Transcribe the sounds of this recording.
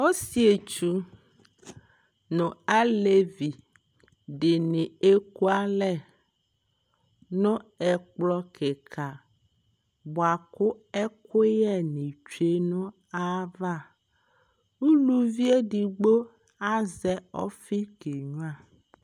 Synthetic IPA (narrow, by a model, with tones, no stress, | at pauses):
o˦si˦e˨t͡ʃu˦ | nʊ̃˨a˦le˦vi˨ | ɖɪ˨nɪ̃˨e˦ku˦a˦lɛ˦˨ | nʊ̃˦ɛ˨k͡plɔ˦kʰe˨kʰa˨ | bʊ˨a˨kʊ˦ɛ˦kʊ˦jɛ˦nɪ̃˨t͡ʃe˦nʊ̃˦ | a˦va˦˨ | u˦lu˨vi˦e˦ɖi˨ɡ͡bo˦ | a˦zɛ˨ɔ̰˦fi˦ɡe˨ɲũ˦ã˦˨